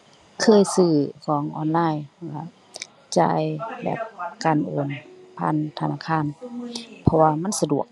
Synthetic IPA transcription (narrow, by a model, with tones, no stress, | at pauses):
kʰɤː˧˥˨jsɯː˧˩kʰɔː˨˦ŋʔɔ̰ː˧˩nlaː˧˥˨jka˧˩ | t͡ɕa̰ː˧˩jbɛ̰ː˨˩p̚kaː˨˩nʔoː˨˩npʰa̰ː˧˥˨nt̪ʰa˧˨naː˧˥˩kʰaː˧˥˨npʰɔ˧waː˧ma˧˥˨nsa˧du˨˩ək̚